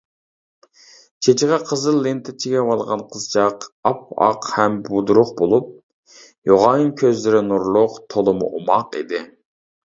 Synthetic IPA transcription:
t͡ʃʰet͡ʃiʁɑqʰəzɨlˠːent̪ʰɪt͡ʃʰiɡʲɛwɑlˠʁɑnqʰəzt͡ʃʰɑqɑp̚ɑ̰qhɛmbud̪uɾʊqbolˠup̚ | joʁɑjɨŋkʲʰøzlɪɾɪnuɾlˠʊqt̪ʰolˠɨmʊ̰ʔomɑqḭd̪ɪ

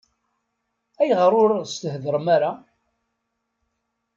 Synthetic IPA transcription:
æjʁəɾˤʊɾst̪əhðəɾˤmaɾa

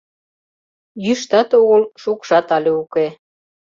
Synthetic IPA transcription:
jyʃt̪ɑt̪oɣəlʃukʃɑt̪ɑlʲeuke

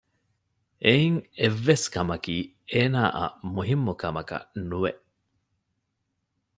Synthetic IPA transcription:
eiŋevːeskɐmɐkiː | eːnaːʔɐ̰muɦimːukɐmɐkɐ̰nuʋḛʔ

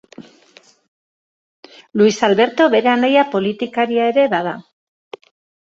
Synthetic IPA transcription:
luisalβe̞ɾt̪o̞βe̞ɾeanajapo̞lit̪ikaɾiae̞ɾe̞βað̞a

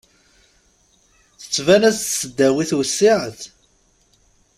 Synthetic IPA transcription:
θə̥t͡sːvænæssːəd̪ːæwiθwəsːiʕəθ

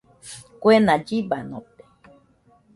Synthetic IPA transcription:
kʷenad͡ʒibano̰pe̥

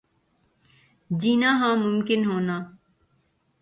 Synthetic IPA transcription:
d͡ʒiːnaːɦãːmʊmkɪnɦoːnaː

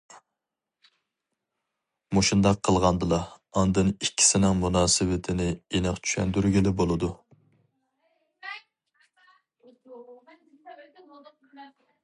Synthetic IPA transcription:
moʃund̪ɑqʰːəlˠʁɑnd̪ɨlˠɑːnd̪ɨnikʲʰːi̥sɪnɪŋmunɑːsɨwɪt̪ʰɪnɪenɨqt͡ʃʰy̥ʃɛ̰nd̪yɾɡʲilɪbolˠɨd̪u

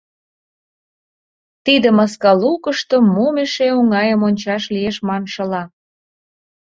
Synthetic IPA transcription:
t̪id̪ə̆mɑskɑlukəʃt̪əmːomeʃeuŋɑjəmonʲt͡ɕɑʃlieʃmɑnʃə̆lɑ

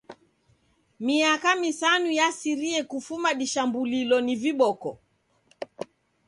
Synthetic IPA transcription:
miakamisanujasiɾiɛkufumaɗiʃambulilɔniviɓɔkɔ̰

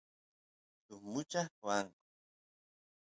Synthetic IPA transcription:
t̪ʊmʊt͡ʃaxwaŋ

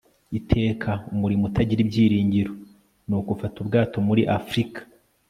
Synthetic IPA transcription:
itʰe̞ːkʰaumuɾimutaɟiɾibɟiːɾiːɲɟiɾo | nuːkufatubɡaːtomuɾiʔafɾikḁ

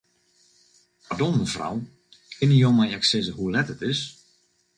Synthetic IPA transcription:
padolˠməfra̰w | kʰɪnijowmajɛksɪzəhulɛtətɪs

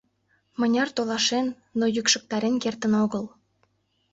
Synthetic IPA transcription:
mɤ̆nʲɑrt̪olɑʃenːojykʃə̆k̚t̪ɑɾenkert̪ə̆noɣə̆l

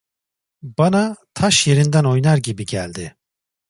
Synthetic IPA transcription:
banat̪ʰaʃje̞ɾind̪æno̞jnaɾɟibiɟælʲd̪ɪ

